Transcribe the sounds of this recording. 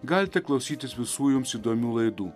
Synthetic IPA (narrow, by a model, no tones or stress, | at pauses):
ɡɑlʲt̪ʲɛklˠɐʊsʲiːt̪ʲɪsʋʲɪsuːjumsid̪omʲuːlˠɐɪd̪uː